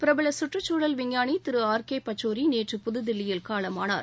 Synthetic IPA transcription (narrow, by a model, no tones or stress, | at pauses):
pɪɾɐbɪlɐsʊʈrɯt͡ʃːuːɽɐlʋɪŋjaːɳit̪ɪɾɯaːɾkeːpɐt͡ʃːoːɾineːʈrɯpʊðɯðɪlːɪjɪlkaːɭɐmaːna̰ːɾ